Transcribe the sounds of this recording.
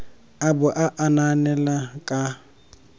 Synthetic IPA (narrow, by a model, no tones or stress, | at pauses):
abʊʔaʔananɛlakʼa